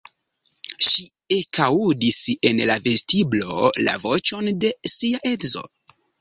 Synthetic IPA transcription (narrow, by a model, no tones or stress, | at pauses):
ʃi | ekaudise̞nlave̞stiblo̞̰la̰vo̞t͡ʃo̞nde̞siaʔe̞dzo̞̰